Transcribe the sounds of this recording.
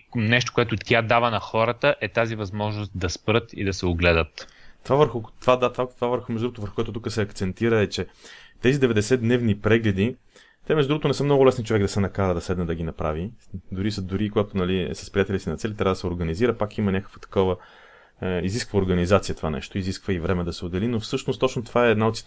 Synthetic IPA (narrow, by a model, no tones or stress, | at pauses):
nɛʃ̬t̪o̥koɛt̪ʊt̪ʲad̪avənɐxɔɾət̪əʔɛt̪azivɐzmɔʒnʊst̪̚d̪ɐspɾɤt̪ḭd̪ɐsɛʊɡlɛd̪ət̪t̪ovavəɾxʊt̪ovad̪at̪vat̪vavəɾxʊmɛʒd̪uɡot̪vəɾxokoɛt̪ot̪ukəsɛɐkt̪sɛnt̪iɾəɛt͡ʃɛt̪ɛzid̪ɛvɛd̪ɛsɛd̪nɛvnipɾɛɡlɛd̪i | t̪ɛmɛʒd̪uɡot̪onɛsɤmnɔɡʊlɛsnit͡ʃovɛkɡd̪ɐsɛnɐkaɾəd̪ɐsɛd̪nəd̪ɐɡinɐpɾa̰vid̪ʊɾisəd̪uɾikoɡat̪onɐlḭsɐspɾijat̪ɛlisinɐt̪sɛlʲit̪ɾʲavəd̪ɐsɛoɾɡɐniziɾəpakimɐnʲakə̥kvə̥t̪ɐ̥kɔvə | iziskvəʊɾɡɐnizat̪sijət̪ovanɛ̰ʃt̪oiziskvəivɾɛmɛd̪ɐsɛod̪ɛlinofsɤʃnost̪ːɔt͡ʃnot̪ovaɛːd̪naot̪si